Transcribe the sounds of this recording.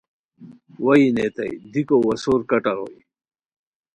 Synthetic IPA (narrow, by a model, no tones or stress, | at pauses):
wɐinet̪a̰jd̪ikowɐsoːɾkɐʈaɾo̰j